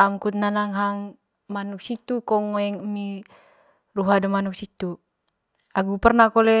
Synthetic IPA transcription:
amkut̪̚nanaŋɦaŋ | manuk̚sit̪ukɔŋːoɛŋəmi | ruɦadəmanuk̚sit̪u | aɡupərnakolɛ

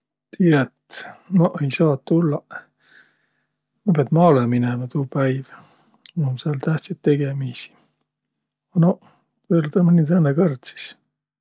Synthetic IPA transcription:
t̪ʰiːɑet̪noʔejsɑːt̪ːulːɑ | nobɑt̪mɑːleminemɑt̪uːpæjv | oomsɑlt̪æht̪set̪ːe̞ɡ̥emisi̥ | ɑno | elt̪ɑmɑnit̪ænːekɤrt̪si̥s

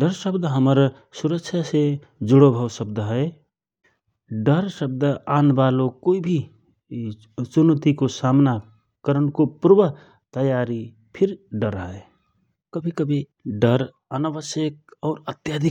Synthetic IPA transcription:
ɖəɾsəbd̪ʱɦəməɾ | suɾəkʃʰjase | d͡ʒʊɽobʱəwsəb̚d̪ʱɦə | ɖəɾsəb̚d̪ʱəaːnbalokoibʱi | sunət̪ikosaːmna | kəɾənkopuɾbəɦ | t̪əjaɾi | pʰɪɾɖəɾɦəe | kəbʱikəbʱi | ɖəɾ | ənaʋəsjək̚ɔːɾət̪jad̪ʱi

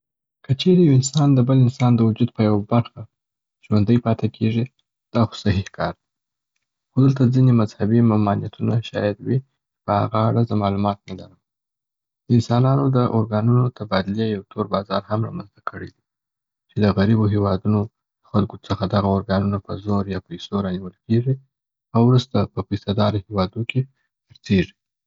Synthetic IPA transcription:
kət͡ʃeɾejawɪnsɑnd̪əbəlɪnsɑnd̪əwʊd͡ʒud̪̚pəjawabaɾxa | ʒ̥wand̪əjpɑt̪ekʰeʐi | d̪̥ɑxo̥sahihkʰɑɾd̪i | xod̪əlt̪azinemazhabimʊmɑnijat̪ʰunaʃɑ̰jad̪wi | pəha̰ɣaaɽazəmɑlumɑt̪̚nalaɾəm | d̪əɪnsɑnɑnod̪əʔoɾɡɑnunot̪ʰabɑd̪ɪlejawt̪ʰoɾbɑzɑ̰ɾhamɾɑ̰manzt̪akʰəɽḛd̪i | t͡ʃed̪əɣaɾiboɦewɑd̪uno | d̪̥əxalkot͡səxad̪aɣaoɾɡɑnunapəzoɾjɑpajsoɾɑniwəlkeʐi | awɾust̪apəfisad̪ɑɾohewɑd̪oke | əɾt̪eʐi

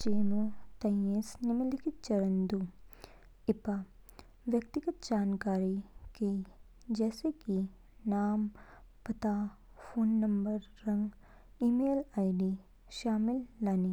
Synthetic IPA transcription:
t͡ʃeːmoːt̪ɐjeːsnɪmɐlɪkɪt̪̚t͡ʃɐɾənd̪u | ɪpa | ʋjɐk̚t̪ɪɡət̪̚d͡ʒaːnkaːɾikei | d͡ʒɛːseki | naːmpɐt̪aː | fʰoːnːɐmbəɾːɐ̃ŋɡ | iːmeːlaːiɖi | ʃaːmɪlːaːni

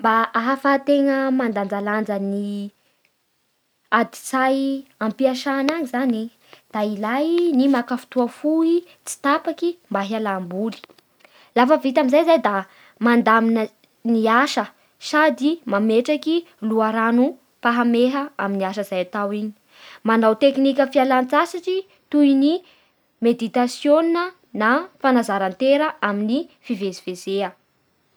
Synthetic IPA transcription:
mbaʔaɦafat̪eŋəmand̪and̪aland͡zəni | ad̪i̥t͡sajampiaʃanaɲizani | d̪̥ailajnimakəfu̥t̪uafui | t͡si̥t̪apakimbaɦialambuli̥ | lafəvit̪aminzajzajd̪a | mand̪aminə | niaʃə | sad̪imameʈ͡ʂaki | luaɾanu | paɦameɦəaminiaʃəzajat̪awiɲi̥ | manawt̪eknikʲəfialant͡sasaʈ͡ʂi | t̪uini | med̪it̪asjoninə | nafanazaɾant̪eɾəʔaminifivezivezeə

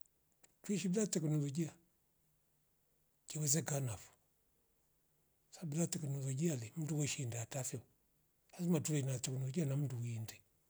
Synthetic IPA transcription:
twiʃibilatɛknɔlɔd͡ʒia | kiwɛzɛkanafu̥ | sabilatɛkɛnɔlɔd͡ʒialɛm̩duwɔʃindɛatafiɔ | hazimatulɛnatɛknɔlɔd͡ʒianam̩duwindɛ

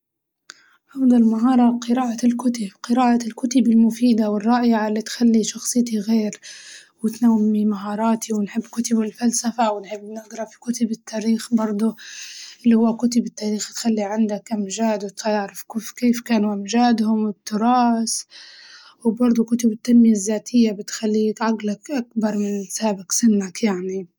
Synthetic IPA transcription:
ʕɑfd̪ˤɑlmaɦɑːɾˤɑqɨɾaːʔalkʊt̪ɪbqɨɾaːʔalkʊt̪ɪbɪlmʊfiːd̪awɪrˤːɑːʔɪʕalːit̪xalːiʃɑxsˤɨt̪iɣeːɾwɪt̪nawːimaɦɑːɾˤɑːt̪iwnħɪbːkʊt̪ɪbɪlfalsafawɪnħɪbːnɪɡɾˤɑfi̥kʊt̪ɪbɪt̪ʰːaːɾiːxbɑɾˤd̪ˤʊʔɪlːihʊwːakʊt̪̬ɪbɪt̪ːaːɾiːxt̪xalːiʕɪnd̪akʔɪmʒaːd̪wɪt̪aaʕɾˤɪfkːfkeːfkaːnuʔɪmʒaːd̪hʊmwɪt̪ːʊɾˤɑːs | wbɑɾˤd̪ˤukʊt̪ɪbɪt̪ːanmɪjazːaːt̪ʰɪjːabɪt̪xalːiːkʕaɡlakʔak̚bɑɾˤmɪnsaːbɪksɪnːakjaʕni

